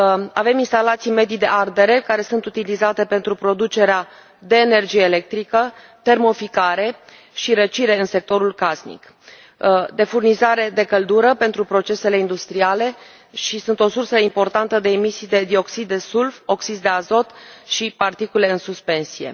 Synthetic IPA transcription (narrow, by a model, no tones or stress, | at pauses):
ave̞minst̪alat̪sijme̞d̪id̪e̞ʔard̪e̞ɾe̞kaɾe̞sunt̪ut̪ilizat̪e̞pe̞nt̪ɾupɾo̞d̪ut͡ʃe̞ɾea | d̪e̞ːne̞rd͡ʒijeːle̞k̚t̪ɾikə | t̪e̞rmo̞fikaɾe̞ | ʃiɾət͡ʃiɾe̞ɨnse̞k̚t̪o̞ɾulkasnḭk | d̪e̞furnizaɾe̞d̪e̞kəld̪uɾəpe̞nt̪ɾupɾo̞t͡ʃe̞se̞le̞ind̪ust̪ɾiale̞ | ʃisunt̪o̞sursəimpo̞rt̪ant̪əd̪e̞ːmisijd̪e̞d̪io̞ksid̪ːe̞sulfo̞ksid̪d̪e̞azo̞t̪ʃipart̪ikule̞ɨnsuspe̞nsije̞̰